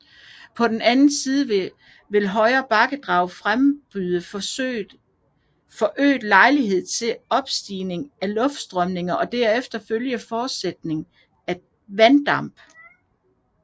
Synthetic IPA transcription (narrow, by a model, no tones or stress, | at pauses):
pʰɒ̽d̥enænn̩siːð̞ˠəʋe | ʋe̝lɦɒ̽ɪɐːb̥ɑ̈ɡ̥əd̥ʁɑ̈ʊfʁamb̥yðˠə̥ | fɒ̽ʔø̰ːd̥lɑ̈ɪliɦe̝ð̞̰ˠt͡sʰe̝ɒ̽b̥sd̥ḭːne̝ŋælɔ̽fd̥sd̥ʁœmne̝ŋɐʔɒ̽d̥æɐ̰efd̥ɐføljəfɒːd̥sed̥ne̝ŋ | æ̥ | ʋænd̥ɑ̈m̰b̥